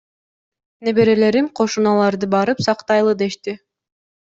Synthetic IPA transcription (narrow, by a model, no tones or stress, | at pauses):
nebe̞ɾe̞le̞ɾimqʰo̞ʃunɑlˠɑɾd̪ɯbɑɾɯpsɑqt̪ɑjlˠɯd̪e̞ʃt̪i